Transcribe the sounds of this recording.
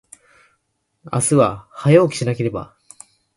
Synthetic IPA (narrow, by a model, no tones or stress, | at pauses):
a̰sɨβahajoːkʲi̥ɕinake̞ɾe̞ba̰